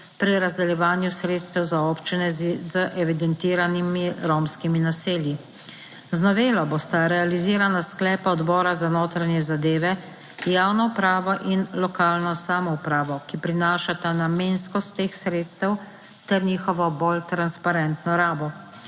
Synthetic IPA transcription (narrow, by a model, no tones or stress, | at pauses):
pɾiɾazd̪ɛljɛʋaːnjusɾeːt̪st̪ɛwzaoːpt͡ʃinɛzzəʔɛʋid̪ɛnt̪iːɾanimiɾomskiminaseːlji | znɔʋeːlɔbost̪aɾɛaliziːɾanasklɛːpaɔd̪bɔːɾazanoːt̪ɾanjɛzad̪eːʋɛ | jaːwnɔupɾaːʋɔʔinlɔkaːlnɔsaːmɔupɾaːʋɔkipɾinaːʃat̪anameːnskɔst̪ːeːxsɾeːt̪st̪ɛw | t̪ɛɾniːxɔʋɔbolt̪ɾanspaɾɛnt̪nɔɾaːbɔ